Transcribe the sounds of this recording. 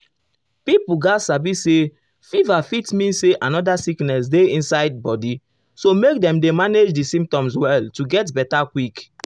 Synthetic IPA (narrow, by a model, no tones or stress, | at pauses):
pipuɡasabise | fivafitmĩnseʔãnɔdasiknɛsdeĩnsaɪd̚bɔdi | somek̚dɛ̃mdemaned͡ʒdisĩmp̚tɔ̃mswɛltuɡɛtbɛtakwik